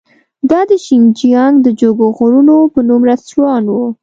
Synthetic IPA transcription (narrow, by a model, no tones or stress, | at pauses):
d̪ɑd̪əʃiŋd͡ʒijɑŋɡd̪əd͡ʒoɡoɣoɾunopənumɾaswɑnwu